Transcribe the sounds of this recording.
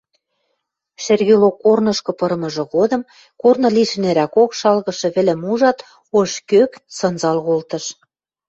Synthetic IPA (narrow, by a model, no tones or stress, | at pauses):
ʃerɣelokːornɤ̆ʃkɤ̆pɤ̆ɾɤ̆mɤ̆ʒɤ̆ɣod̪ɤ̆m | kornɤ̆liʃɘ̆neɾækokʃɑlɣɤ̆ʃɤ̆βɘ̆lĕmuʒɑt̪ | oʃkøksɤ̆nzɑlɣolt̪ɤ̆ʃ